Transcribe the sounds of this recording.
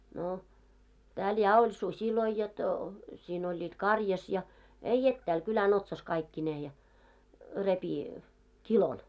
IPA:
no tæːl jɑ olʲ susiloi jot siːn olʲːiːt kɑrjɑs jɑ ei etːæːl kylæn otsɑs kɑikːineː jɑ repi kilon

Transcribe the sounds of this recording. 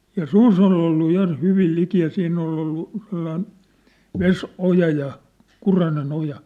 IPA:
jɑ sus ol olːu jɑ hyʋil liki jɑ siːn olˑ olːu selːɑin ʋesojɑ jɑ kurɑnen ojɑ

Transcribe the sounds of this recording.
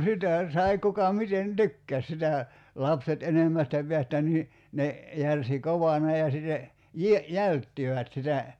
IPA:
sitæ sɑi kukɑ miten tykːæs sitæ lɑpset enemːæstæ peæstæ niː ne jærsi koʋɑnɑ jɑ sitːe jie jæltːiʋæt sitæ

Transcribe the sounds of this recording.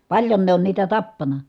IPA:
pɑlʲjon ne on niːtæ tɑpːɑnɑ

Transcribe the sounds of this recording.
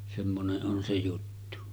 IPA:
semːoneʔ ʔon se jutːu

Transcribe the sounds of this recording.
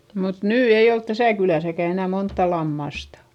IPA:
mut nyː ei olt tæsæˑ kylæˑsækæ enæ montːɑ lɑmːɑstɑ̥

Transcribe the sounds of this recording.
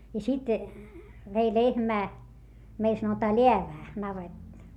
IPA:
jɑ sit ʋei lehmæː meil sɑnotɑː leæʋæː nɑʋetˑɑ̆

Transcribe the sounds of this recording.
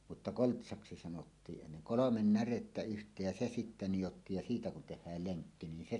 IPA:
mutːɑ koltsɑksi sɑnotːiːʔ enːen̞ kolomen næretːæ yhtˑeːj jɑ se sitːe nijotːiːj jɑ siːtæ kun tehːæːl leŋkːi nin se

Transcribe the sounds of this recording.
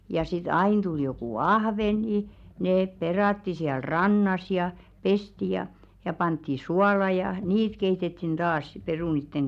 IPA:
jɑ sit ɑin tul jokuˑ ɑhʋeŋɡ̊i neːp perɑˑtːi siæl rɑnːɑs jɑ pesti jɑ jɑ pɑntːi suɑlɑ jɑ niːt keitetːin tɑːs si perunitːeŋ

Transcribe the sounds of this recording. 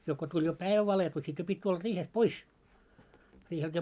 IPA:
jo ko tulʲ jo pæiʋæ ʋɑletu sit jo pitʲ tulːɑ riːhest pois riːhelt jo

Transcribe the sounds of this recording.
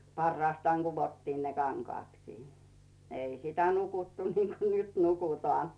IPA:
pɑrːɑːstɑːŋ ɡ̊uʋotːiːn ne kɑŋkŏɑˑtkiː ei sitæ nukutːu niːŋko nyt nukutoˑɑˑn

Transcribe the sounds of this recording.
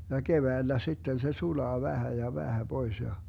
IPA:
jɑ keʋæilːæ sitːen se sulɑː ʋæhæ jɑ ʋæhæ b̥ois jɑ

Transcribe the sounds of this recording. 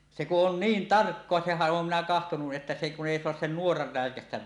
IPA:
se kuʔ ʔon niːn tɑrkːoɑ sehæʔ ʔoːm minæ kɑhtonuʔ ʔetːæ se kun eˑi soɑs sen nuorɑr ræˑekæstæʋ

